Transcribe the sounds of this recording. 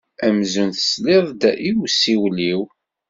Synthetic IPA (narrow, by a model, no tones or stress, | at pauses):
æmzunθə̥slɪðˤd̪æʔiwsiwliw